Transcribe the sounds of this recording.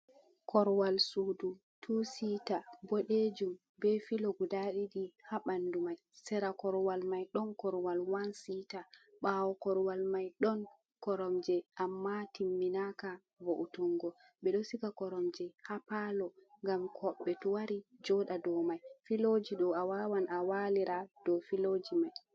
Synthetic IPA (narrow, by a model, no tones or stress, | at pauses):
kʰɔɾwalsudu | tʰusitabɔɗed͡ʒum | bɛfiloɡudaɗiɗihaɓandumajsɛɾakɔɾwalmajɗɔnkɔɾwalwansita | ɓawɔkɔɾwalmajɗɔn | kɔɾɔmd͡ʒɛʔamːatimːinaka | voʔutuŋɡɔ | ɓɛɗɔsikakɔɾɔmd͡ʒɛhapalɔŋɡamkʰɔɓːɛtuwaɾid͡ʒɔɗadɔmajfilod͡ʒiɗɔawawanawaliɾʔad̥ɔfilod͡ʒimaj